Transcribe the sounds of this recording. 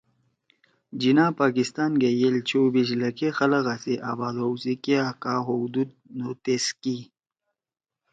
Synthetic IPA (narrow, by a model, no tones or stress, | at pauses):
d͡ʑinãːpaːkist̪aːnɡejelt͡ɕʰobizlɐkexɐləɣasiʔabaːd̪owsikiakaːɦod̪ud̪̚not̪eski